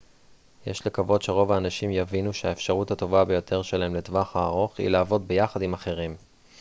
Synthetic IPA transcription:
jḛʃlekavo̞d̪ʃe̞ʁo̞vaːnaʃimjavinuʃeaefʃaʁuthato̞vabe̞jo̞t̪ʰeʁʃelaɦemletvaχaːʁo̞χḭlaːvo̞d̚be̞jaχadimaχe̞ʁim

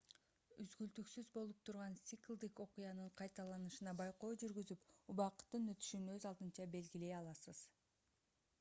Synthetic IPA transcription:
yzɡyld̪yksyzbo̞lˠup̚t̪ʰuɾʁɑnsʲiklˠd̪iko̞qujɑnɯɴqʰɑjt̪ɑlˠɑnɯʃɯnɑbɑjqo̞ːd͡ʒyɾɡyzypubɑqt̪ːɯnø̞t̪y̥ʃynøzɑlˠd̪ɯnt͡ʃɑbe̞lɡile̞jɑlˠɑsɯz̥

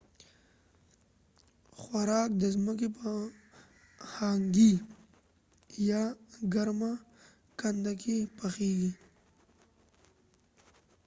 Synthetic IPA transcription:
xwaɾɑːk̚d̪əzmək̬ep | haŋɡi | jaɡaɾma | kand̪akʰepaxeːɡi

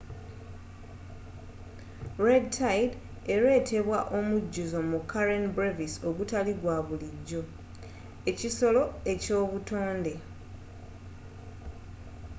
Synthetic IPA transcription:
ɾedtʰajd | e̞ɾe̞ːtʰe̞βwaʔo̞muɟːuzo̞mukːaɾenbɾeviso̞ɡutaliɡwaβuliɟːo̞ | eciso̞lo̞e̞co̞ːβuto̞ːnde̞

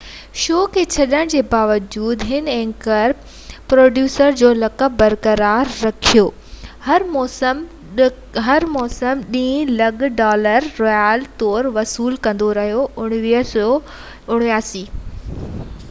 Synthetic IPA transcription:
ʃoːkʰet͡ɕʰɐɗəɽ̃d͡ʑeːbaːʋəd͡ʑuːd̪ɦɪnɛ̃ːkəɾ | pɾoːɖjuːsəɾd͡ʑoːlɐkəbɐɾkəɾaːɾːɐkʰijoː | hɐɾmɔːsəm | ɦɐɾmɔːsəmɗĩːlɐɠɖɔːləɾːɔːjaːlt̪ɔːɾʋɐsuːlkɐ̃nd̪oɾɐɦijoʔʊɽ̃ʋiɦsɔ | ʊɽ̃ʋijaːsiː

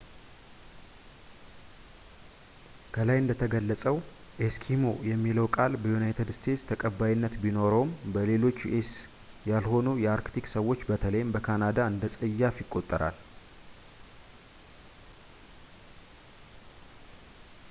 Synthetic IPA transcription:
kʰəlajɨnd̪ət̪ʰəɡəlːəsʼəw | ʔeskʰimo̞jɛmːiləwkʼalbəjunajt̪ʰəd̪st̪ʰe̞t̪st̪ʰəkʼəbːajɪnːət̪bino̞ɾowmbəle̞lo̞t͡ʃːʔes | jalho̞nujɛaɾkt̪ʰiksəwːo̞t͡ʃːbət̪ʰələjmbəkʰanad̪aɨnd̪əsʼəjːafjɪkʼːo̞t̪ʼːəɾa̰l

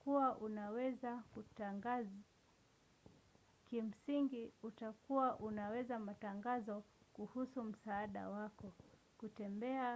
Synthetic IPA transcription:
kuwaʔunawɛzakutaŋɡaz | kim̩siŋɡiutakuwaʔunawɛzamataŋɡazɔkuhusum̩saːɗa̰wakɔ | kutɛmbɛa

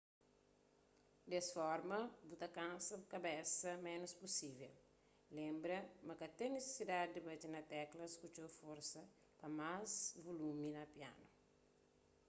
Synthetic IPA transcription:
d̪esfɔɾmɐbut̪ɐkãnsɐbukɐbɛsɐmɛnospusivel | lẽmbɾɐmɐkɐt̪ẽnese̥sid̪ad̪ibɐt͡ʃinɐt̪ɛklɐskut͡ʃofoɾsɐ | pɐmazvoluminɐpia̰nu

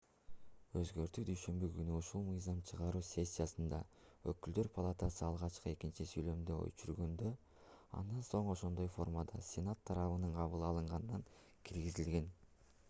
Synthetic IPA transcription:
ø̞zɡø̞ɾt̪yːd̪yjʃø̞mbykynyuʃulˠmɯjzɑmt͡ʃʰɯʁɑɾuːsʲe̞sʲːijasɯnd̪ɑ | ø̰kyld̪ø̞ɾpʰalˠat̪ɑsɯɑlˠʁɑt͡ʃqɯe̞kint͡ʃisyjlø̞md̪ø̰jt͡ʃyɾɡø̞nd̪ø | ɑ̰nd̪ɑnso̞ɴo̞ʃo̞nd̪o̞jfo̞rmad̪ɑsʲe̞nat̪ʰːɑɾɑβɯnɯɴqʰɑβɯlˠɑlˠɯɴʁɑnnɑŋ | kʰiɾɡizilɡe̞n

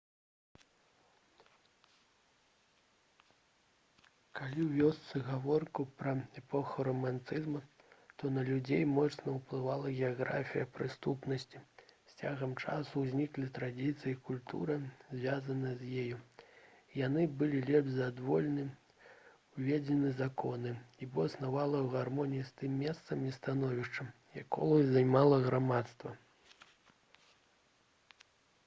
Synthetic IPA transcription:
kalʲiwvʲɔst̪sɨɣavɔrkupɾɐɛpɔxɐɾɐmant̪ɨzmɐ | t̪ɔnɐlʲud͡zʲejmɔt̪snɐwplˠɨvalˠɐɣʲɛaɣɾa̰fʲijɐpɾɨst̪upnɐsʲt͡sʲisʲt͡sʲaɣɐmt͡ʂasuzʲnʲiklʲit̪ɾad͡zʲit̪sɨjikulʲt̪ṵɾɐzʲvʲazɐnɨjɐzʲjeju | ijanɨbɨlʲilʲɛbzad̪vɔlʲnɨ | wvʲed͡zʲɛnɨzakʰɔnɨibɔɐsnavalˠɐwɣarmɔnʲijist̪ɨmːʲɛst̪sɐmist̪anɔvʲiʂt͡ʂɐ | jakɔ̰lˠɐzajmalˠɐɣɾamat̪st̪vɐ

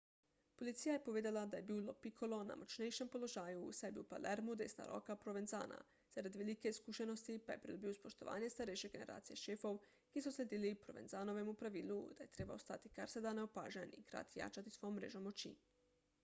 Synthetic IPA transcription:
po̞lit̪sijaje̞poʋeːd̪ilˠad̪aje̞biːlopikʰolˠo̞na̰mot͡ʃnejʃempo̞loʒaːjṵːsebiupa̰leɾmud̪est̪a̰ɾʔo̞̰kapɾoʋenza̰ːna̰ | z̥aɾad̪ʋilikeskuʃeno̞st̪ipajepɾid̪ubiospo̞ʃt̪o̞ʋa̰ːɲest̪aɾejʃeɡe̞ne̞ɾa̰ːt̪sijeʃeːfo̞ʋ | ɡ̥esuslʲed̪ilipɾoʋe̞nzaːno̞ʋemupɾaʋiːlˠud̪̥aje̞t̪ɾebaost̪at̪i̥kaɾsed̪aneopa̰ːʒanikɾa̰t̪ija̰ːt͡ʃat̪isʋo̞jomːɾḛːʒomot͡ʃḭːn

